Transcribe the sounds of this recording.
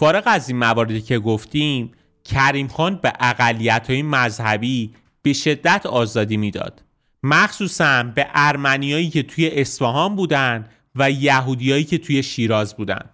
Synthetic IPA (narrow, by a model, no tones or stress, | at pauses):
fɒːɾe̞ɣæziːnmævɒːɾe̞d̪icʰe̞ɡoft̪im | cʰæɾimxɒːnbeʔæɣælːijæt̪ʰhɒːjemæzhæbi | b̥e̞ʃe̞d̪ːæt̪ʰɒːzɒːd̪iːmiːd̪ɒ̰ːd̪̥ | mæxsuːsænbe̞ʔæɾmænijɒːiːcʰe̞t̪ʰuje̞ʔesfæɦɒnbuːd̪ænd̪ | væjæɦuːd̪ijɒːiːcʰe̞t̪ʰuje̞ʃiːɾɒːzbuːd̪æ̰nd̪̥